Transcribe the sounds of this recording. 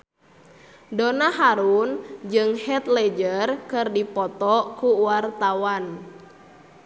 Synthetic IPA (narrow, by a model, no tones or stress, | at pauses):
donaɦaɾund͡ʒɨŋhɛt̪lɛd͡ʒərkɨrdipɔt̪ɔkuwart̪awan